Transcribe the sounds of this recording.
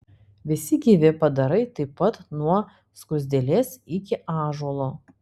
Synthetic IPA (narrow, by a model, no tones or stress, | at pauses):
ʋʲɪsʲɪɡʲiːʋʲɪpɐd̪ɐɾɐɪt̪ɐɪpːɐt̪nuɔ | skʊzʲd̪ʲelʲeːsɪkʲɪʔɑːʒuɔlˠo